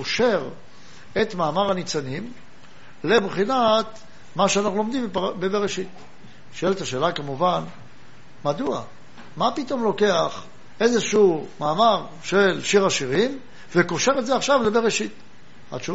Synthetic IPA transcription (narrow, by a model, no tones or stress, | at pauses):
oʃeʁ | et̪maːmaʁanit͡sanim | lebχinat̪ | maʃeanaχnulo̞md̪imbbebeʁeʃit̪ | ʃoelet̪aʃeːlakamuvan | madua̰ | mapit̪o̞mlo̞ke̞aχ | e̞zeʃumaːmaʁ | ʃelʃiʁaʃiʁim | vekoʃe̞ʁetzeaχʃavlebeʁeʃit̪ | a̰t͡ʃu